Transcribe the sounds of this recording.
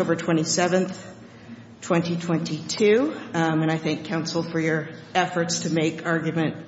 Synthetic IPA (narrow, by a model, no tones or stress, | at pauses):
oʊbə˞tʰw̥ɛ̃ɾ̃isɛvɨ̃nθ | tʰw̥ɛ̃ntitʰw̥ɛ̃ntitʰʉɨ̃ɾ̃aɪθæ̃ŋkʰãʊ̃nsl̩ˠfə˞jə˞ɛfə˞tstʰɨmeɪkʰɑɹɡjɨmɨ̃nt̚